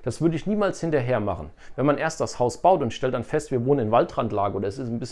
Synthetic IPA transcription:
d̥asv̥ʏɐdəɪçniːmaːlshɪntɐɦeːɐma̰χn̩ | vɛnmanʔeːɐst̚d̥ashaʊsb̥aʊtʊntʃtɛlt̚d̥anfɛstv̥iːɐvoːnənɪnvaltʁantlaːɡəʔoːdɐɛsɪstnbɪs

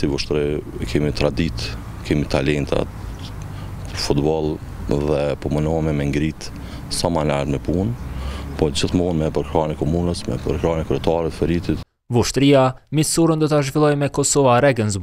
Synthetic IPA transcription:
sivuʃt̪ɾɛkʰɛmit̪ɾad̪it̪ | kɛmit̪alɛnt̪ʰa̰ | pəɾfut̪bɔlˠ | ðɛpɔmənɔmɛmɛŋɡɾit̪ | samanaɾmɛpunpɔd͡ʑiθmɔnmɛpəɾkɾɑnɛkɔmunəsmɛ̰pəɾkɾɑnɛkɾɛt̪aɾɛt̪fɛɾit̪it̪ | vuʃt̪ɾiamisuɾənd̪ɔt̪aʒvilˠɔjmɛkɔsɔvaɾɛɡənsz

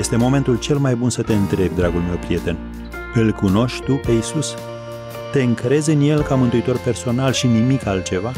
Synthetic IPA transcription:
jest̪e̞mo̞me̞nt̪ult͡ʃe̞lmajbunsət̪e̞ɨnt̪ɾe̞bʲd̪ɾaɡulme̞wpɾije̞t̪e̞n | ɨlkuno̞ʃʲt̪upe̞isus | t̪e̞ɨŋkɾe̞zɨnje̞lkamɨnt̪uit̪o̞rpe̞rso̞nalʃinimikalt̪̚t͡ʃe̞va

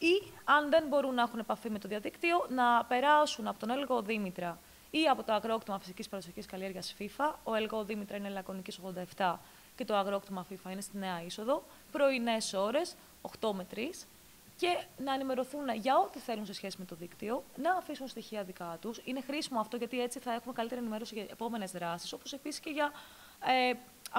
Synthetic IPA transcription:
iɐnðe̞nbo̞ɾunːɐexune̞pɐfimet̪o̞ðiɐðikt̪io̞nɐpe̞ɾɐsunɐpo̞t̪onelɣo̞ðimit̪ɾɐ | iɐpo̞t̪o̞ɐɣɾookt̪imɐfisicispɐɾosoçiskɐlie̞ɾʝɐsfifɐoelɣoðimit̪ɾɐinelɐkɾoniciso̞ɣðod̪ɐeft̪ɐ | ce̞t̪o̞ɐɣɾokt̪imɐfifɐine̞st̪ine̞ɐiso̞ðo̞ | pɾo̞ine̞so̞ɾe̞s | oxt̪o̞met̪ɾis | ce̞nɐenime̞ɾo̞θuneʝɐo̞t̪iθe̞lunse̞sçe̞sime̞t̪o̞ðikt̪io̞nɐːfisunst̪içiɐðikɐt̪usine̞xɾisimoɐft̪o̞ʝɐt̪ie̞t͡siθɐe̞xume̞kɐlit̪eɾenime̞ɾo̞siʝɐepo̞me̞ne̞zðɾɐsi̥so̞po̞se̞pisisce̞ʝɐ | e

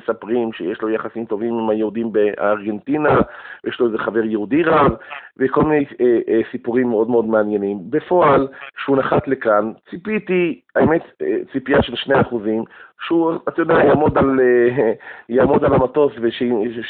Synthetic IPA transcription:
sapʁimʃejeʃlo̞jaχasimt̪o̞vimimajeudimbeaaʁɡe̞ntinavjeʃlo̞ezeχaveʁjehudiʁavveko̞lmine̞jʔsipuʁimːeo̞dmeo̞d̪meanje̞nimbefo̞alʃeunaχat̪le̞kant͡sipit̪iaemet̪t͡sipijaʃe̞lʃnejaːχuzimʃeuatajodejajamo̞d̪al | jaːmo̞dalamato̞sveʃe

